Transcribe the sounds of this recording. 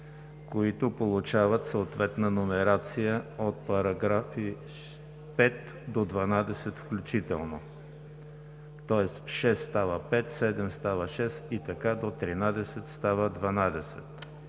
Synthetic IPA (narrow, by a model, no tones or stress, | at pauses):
koit̪ʊpolˠut͡ʃavət̪soot̪vɛt̪nənomɛɾat̪sijəot̪̚pɐɾɐɡɾafi | pɛt̪ | d̪od̪vɐnad̪ɛsɛt̪fklʲʊt͡ʃit̪ɛlˠno | t̪ɔɛsʃɛsːt̪avəpɛt̪sɛd̪ɛmst̪avəʃɛsit̪ɐkad̪ot̪ɾinad̪ɛsɛt̪st̪avəd̪vɐnad̪ɛsɛ̰t̪